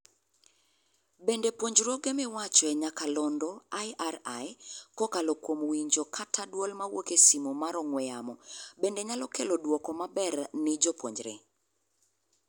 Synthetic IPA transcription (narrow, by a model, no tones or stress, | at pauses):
bendepwoɲd͡ʒɾɔɡemɪwat͡ʃɔɛɲakalɔndɔajaɾajkɔkalɔkwomwiɲd͡ʒokʰatʰadwolmawokesimomaɾɔŋwɛjamɔbendeɲalɔkelɔdwɔkɔmabɛrnɪd͡ʒɔpwoɲd͡ʒɾḛ